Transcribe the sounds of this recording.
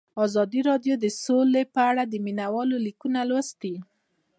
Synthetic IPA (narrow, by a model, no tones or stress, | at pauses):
ɑzɑd̪iɾɑɖjod̪əsolepəaɽad̪əminawɑlolikunalwəst̪i